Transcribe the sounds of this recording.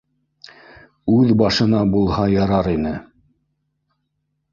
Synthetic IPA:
ʉðbɑʃɤ̆nɑbulˠhɑjɑɾɑɾinɘ

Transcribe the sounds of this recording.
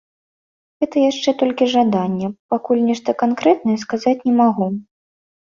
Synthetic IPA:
ɣɛt̪ɐjaʂt͡ʂɛt̪ɔlʲkʲiʐad̪anʲːɛpakulʲnʲɛʂt̪ɐkankɾɛt̪̚nɐjɛskazat͡sʲnʲɛmaɣu

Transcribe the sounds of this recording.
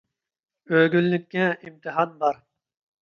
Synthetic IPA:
øɡʲylːɪkʲːɛimt̪ʰɨɦɑnbɑɾ

